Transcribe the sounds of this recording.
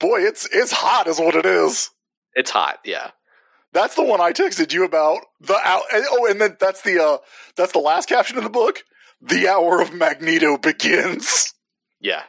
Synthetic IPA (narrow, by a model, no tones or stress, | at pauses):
b̥ɔɪɨtsɪtshɑɾɨzwʌɾɨɾɪz̥ | ɨtshɑ̰t̚jæ̰ | ðætsðəwʌ̃naɪtʰɛɪksɨt͡ʃɨɨbaʊt̚ | ðiʔa̰ʊɨ̃oʊɨ̃nðɨ̃nðætsðiʌðætsðəlæs̚kʰæp̚ʃɨ̃nʌ̃nðəbʊk | ðiaʊə˞ʌvmæɡ̚niɾoʊbɨɡɪ̃nz̥ | jæ̰